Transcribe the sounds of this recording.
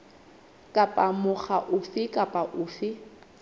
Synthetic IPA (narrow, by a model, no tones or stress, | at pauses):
kʼapʼamʊχaʔʊfɪkʼapʼaʔʊːfɪ